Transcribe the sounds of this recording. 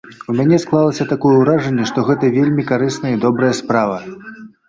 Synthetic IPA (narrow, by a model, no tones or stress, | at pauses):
umʲanʲɛsklˠalˠɐsʲɐt̪akɔjɛwɾaʐɐnʲːɛʂt̪ɔɣɛt̪ɐvʲelʲmʲikaɾɨsnɐjəid̪ɔbɾɐjɐspɾavɐ